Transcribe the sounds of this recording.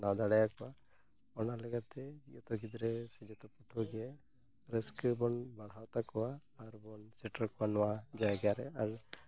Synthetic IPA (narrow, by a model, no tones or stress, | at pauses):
nawd̪aɽajakɔwa | ɔnalɛɡat̪ɛd͡ʒijɔt̪ɔɡid̪ɾɛsid͡ʒɔt̪ɔpɔʈʰɔɡɛ | ɾeskəbɔnbaɽ̤ɦawt̪akɔwaːɾbɔnsɛʈaɾkɔwanɔwad͡ʒajɡaɾɛaɾ